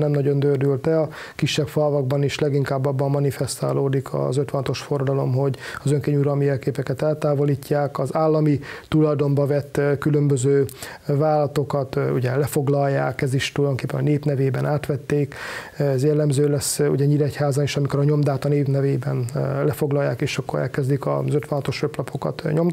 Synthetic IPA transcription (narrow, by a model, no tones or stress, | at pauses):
nɛmnɒɟo̞nd̪øːrd̪ylt̪ɛɒ | kiʃːɛkfɒlvɒɡ̚bɒniʃlɛɡiŋkaːbːɒbːɒmːɒnifɛst̪a̰ːloːd̪ikʰɒ̰zøt̪ʋɛnɒt̪o̞ʃforːɒd̪ɒlo̞mɦo̞ɟɒzøŋkeːɲuɾɒlmiɛlkeːpɛkɛt̪ɛlt̪aːvo̞liːcːaːkɒzaːlːɒmit̪ulɒjd̪o̞mbɒvɛt̪ːkylø̞mbøzøːvaːlɒt̪o̞kɒt̪uɟɛlɛfo̞ɡlɒjːa̰ːkɛziʃt̪ulɒjd̪o̞ŋkeːpːɛnɒneːpnɛveːbɛnʔaːt̪ʋɛt̪ːeːkzjɛlːɛmzøːlɛsːṵɟɛɲiɾɛchaːzɒniʃɒmikoɾɒɲo̞md̪aːt̪ɒneːpnɛveːbɛnlɛfo̞ɡlɒjːa̰ːkeːʃɒkːo̞̰ɾɛ̰lkɛzd̪ikɒ̰zøt̪ʋɒnɒt̪o̞ʃøplɒpʰo̞kɒ̰t̪ɲo̞m